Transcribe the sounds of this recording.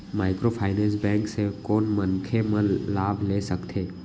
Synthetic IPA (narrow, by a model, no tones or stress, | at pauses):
maːɪkɾopʰaːɪnɛ̃ːnsbɛ̃ːŋksekɔːnmɐ̃nkʰemə̃laːbʱleːsɐkt̪ʰeː